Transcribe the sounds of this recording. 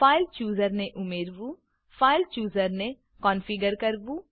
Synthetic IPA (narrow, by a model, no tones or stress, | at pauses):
paːɪlt͡ʃuːzəɾneʔʊmeːɾʋũː | pʰaːɪlt͡ʃuːzəɾnẽ | kɔːnfʰiɡəɾkəɾbuː